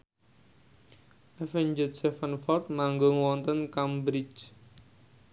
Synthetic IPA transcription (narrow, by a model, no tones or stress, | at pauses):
ʔɛfɛɲd͡ʒəsɛfənfɔrt̪̚maŋɡoŋwɔnt̪ənkambɾit͡ʃ